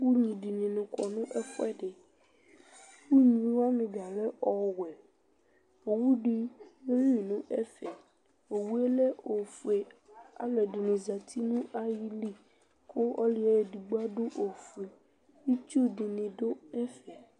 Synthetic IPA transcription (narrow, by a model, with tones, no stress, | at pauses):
wu˦ɲĩ˨ɖi˨nĩ˨nũ˨kɔ˨nũ˦ʔɛ˦fɔ˦ɛ˦ɖe˨ | wu˦ɲĩ˨wa˦mĩ˨ba˨le˦ʔɔ˨wɛ˨ | o˨wu˦ɖi˦ne˦ji˨nũ˦ʔɛ˦fɛ˨ | o˨wu˦e˦le˦ʔo˨fu˨e˨a̰˨me˨ɖi˨nĩ˨za˨t̪ʰi˦nũ˦a˦ji˦li˦ | ko˦ɔ˦li˨ɛ˦e˨ɖi˨ɡ͡bo˦a˦ɖo˦ʔo˨fu˨e˨ | i˦t͡ʃu˦ɖi˨nĩ˨ɖo˦ɛ˦fɛ˨